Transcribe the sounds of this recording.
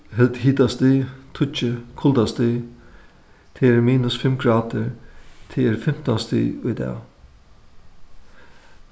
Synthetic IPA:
ɦɛlt̪hiːt̪ast̪it̪ʰʊt͡ʃəkʰʊld̪ast̪i | t̪ʰeːɹmiːnʊsfɪmɡɹɑːd̪əɾt̪ʰeːɾfɪm̥t̪ɔnst̪ḭːʊjd̪ɛ̰ː

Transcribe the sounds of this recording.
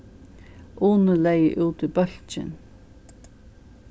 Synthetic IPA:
ʔuːnəlɛjʔuːt̪ɪbœl̥t͡ʃɪ̰n

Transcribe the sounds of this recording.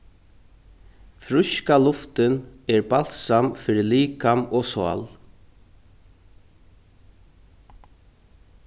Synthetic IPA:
fɾʏʃkalʊft̪ɪnɛɹbal̥t̪samfɪɾɪliːkamɔsɔa̰l

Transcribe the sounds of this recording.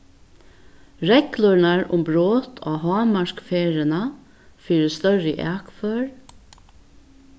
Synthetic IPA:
ɹɛklʊɹnaɹʊ̰mbɾoːt̪ʰɔ̰ːɦɑːmaɹkfeːɾɪna | fiːɾəst̪œɹɪʔæːkfœːɹ

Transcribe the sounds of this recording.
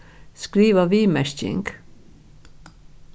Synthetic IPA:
skɾiːʋəʋiːmæʃt͡ʃɪ̰ŋɡ

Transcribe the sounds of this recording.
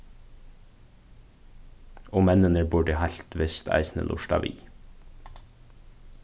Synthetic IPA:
oːmɛnənəbʊɖəhɑɬt̪ʰʋɪst̪ʰæ̰ɪsnə̰lʔʊ̰ʃdɑ̰ʋʔḭ

